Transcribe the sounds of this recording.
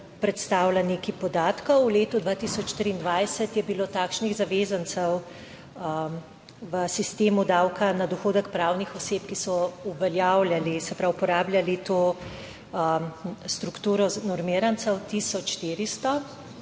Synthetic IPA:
pɾɛt̪st̪aːwlanekipɔd̪aːt̪kɔwleːt̪ud̪ʋaːt̪isɔt͡ʃʃt̪ɾiːnd̪ʋajsət̪jɛbiloːt̪aːkʃniɣzaʋeːzansɛw | ʋəsist̪eːmud̪aːwkanad̪ɔxoːd̪əkpɾaːwnixɔseːpkisɔuʋɛljawljalisɛpɾawpɔɾaːbljalit̪oː | st̪ɾukt̪uːɾɔnɔɾmiːɾansɛwt̪iːsɔt͡ʃʃt̪iːɾist̪ɔ

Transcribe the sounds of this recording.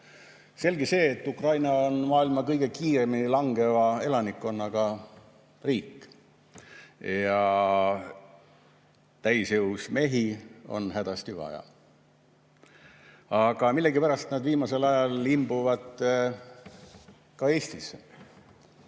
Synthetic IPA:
se̞lɡise̞ːt̪ːukrɑjnɑo̞nmɑːilmɑkɤjɡe̞kiːɾe̞minilɑŋɡ̥e̞vɑe̞lɑnikːo̞nːɑɡ̥ɑ | riːkːˑ | jɑ | t̪æjsjewsme̞ɦio̞̰nhæd̪̥ɑst̪ivɑ̰jɑ̰ | ɑɡ̥ɑmilːeɡipæɾɑst̪næd̪viːmɑse̞lɑjɑlːimb̥uvɑd̪̥ | kɑe̞ːst̪ise

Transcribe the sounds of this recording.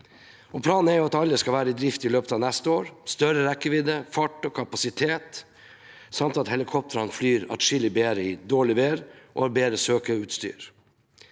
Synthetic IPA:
ɔpʰlɑːnn̩æɾjʊɑt̪ɑlːəskɑʋæːɾəɪd̪ɾɪft̪ɪløːpət̪ɑːʋnæst̪əoːɾst̪œɾəɾɛkːəʋɪd̪əfɑʈɔkʰɑpɑsɪt̪ʰeːt̪ | sɑmt̪ɑt̪hɛlɪkʰɔp̚t̪ʰəɾɑnflyːɾɑ̰t̪ʂɪləbeːɾəɪd̪oːɭɪʋeːɾʔo̰ːhɑːɾbeːɾəsøːkəʉːt̪st̪y̰ːɾ

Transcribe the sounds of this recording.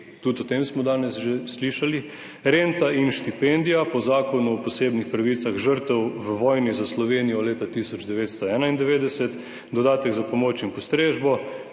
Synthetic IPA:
t̪ut̪ɔt̪emsmɔd̪aːnɛsʒesliʃali | ɾent̪aʔinʃt̪ipend̪ijapɔzaːkɔnuɔpɔseːbnixpɾaʋit̪saɣʒəɾt̪ɛwʋəʋɔːjnizaslɔʋeːnijɔleːt̪at̪isɔd͡ʒd̪ɛʋeːt̪st̪ɔɛːnaind̪ɛʋeːd̪ɛsɛt̪ | d̪ɔd̪aːt̪ɛɡzapomoːt͡ʃinpɔst̪ɾeːʒbɔ

